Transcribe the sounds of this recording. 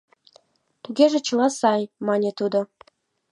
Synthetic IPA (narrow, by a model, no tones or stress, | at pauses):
t̪uɣeʒĕt͡ɕə̆lɑsɑjmɑnʲet̪ud̪o